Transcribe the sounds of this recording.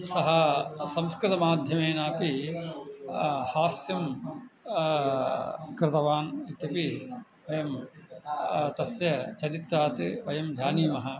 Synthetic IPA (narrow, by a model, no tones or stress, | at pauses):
sɐɦɐsɐmskɾɨt̪ɐmaːd̪ʱjɐmeːnaːpi | haːsjɐm | kɾɨt̪ɐʋaːnit̪jɐpi | ʋɐjɐm | t̪ɐsjɐt͡ʃɐɾit̪ɾaːt̪iʋɐjɐmd̪ʱjaːniːmɐɦɐ